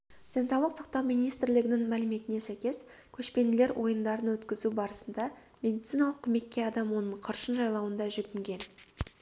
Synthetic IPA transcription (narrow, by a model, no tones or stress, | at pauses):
d̪̥ʲensɑwlˠəqsɑq̚t̪ɑwmijnijst̪ɾlɪɡʲɪnɪŋmælɪme̞t̪ɪne̞sæjkʲe̞skʲʰɵʃpe̞nɪle̞ɾwʔo̞jənd̪ɑɾənwɵt̪kʲɪzubɑɾəsənd̪ɑ | mʲe̞d̪ijt̪sijnɑlˠəq̚kʲʰʏme̞kʲːe̞ɑd̪ɑmwo̞nəɴqʰəɾʃənʒɑjlˠɑwənd̪ɑʒʏɡʲɪŋɡʲe̞n